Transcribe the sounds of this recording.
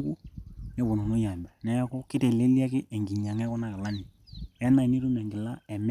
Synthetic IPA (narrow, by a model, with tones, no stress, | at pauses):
ku˦jɛ˦bu˨no˨no˦ja˨mbɛ˨nɛ˦ja˦kɔ˦kɪ˦te˨le˦lja˦kɪ˦ʔɛ˨ŋɡi˨ɲa˨ŋɛ˦kɔ˦na˦ka˨la˦ni˨ | jɛ˦na˨i˨ni˦ɾu˦mɛ˨ŋɡɪ˨la˦ɛ˨m